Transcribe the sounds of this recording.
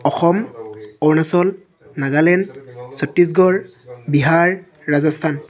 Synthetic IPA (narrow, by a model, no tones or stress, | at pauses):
ɔxɔmɔɹnasɔl | naɡalɛnsɔp̚tːis̬ɡɔɹ | biɦaɹː | azɔstʰan